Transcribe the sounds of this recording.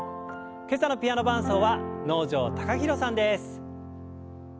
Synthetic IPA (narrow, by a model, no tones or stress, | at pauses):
ke̞sanopʲijano̞bãɰ̃so̞ːβano̞ːʑo̞ːt̪ḁkaçiɾo̞sãnd̪e̞sɨ̥